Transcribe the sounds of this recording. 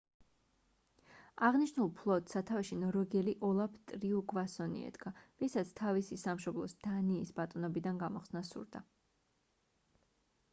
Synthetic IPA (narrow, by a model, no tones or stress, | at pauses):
aʁniʃnulˠpʰlˠɔt̪ʼsat̪ʰaviʃinɔɾɔɡɛliʔɔlˠapʰt̪ʼɾiuɡvasɔnḭɛ̰d̪̥ɡavisat̪sʰt̪ʰavisisamʃɔblˠɔ̰sd̪̥aniːsbat̪ʼɔnɔbid̪anɡamɔχsnasṵɾd̪a